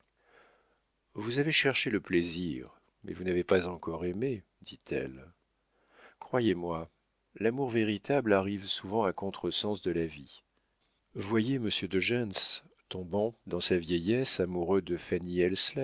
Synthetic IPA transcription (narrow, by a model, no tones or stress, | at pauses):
vuzaveʃɛʁʃeləpleziʁ | mɛ̰vunavepazɑ̃kɔʁeme | d̪̥it̪ʰɛ̰l | kχwajemwa | lamuʁveʁit̪ablaʁivsuvɑ̃akɔ̃t̪χəsɑ̃sd̪əlavi | vwajeməsjød̪əʒɛns | t̪ɔ̃bɑ̃d̪ɑ̃savjɛjɛsamuʁød̪əfaniɛlslɛ